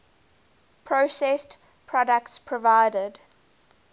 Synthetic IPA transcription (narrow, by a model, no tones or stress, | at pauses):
pʰɹ̥osɛst | pʰɹ̥ɔdək̚tspʰɹɔvaɪdəd